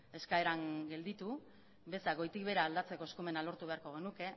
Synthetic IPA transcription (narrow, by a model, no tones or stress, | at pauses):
e̞skaeɾaŋɡe̞ld̪it̪u | be̞saɣo̞jt̪ikβe̞ɾaːld̪at͡se̞ko̞eskume̞nalo̞ɾt̪uβeaɾko̞ɣe̞nuke̞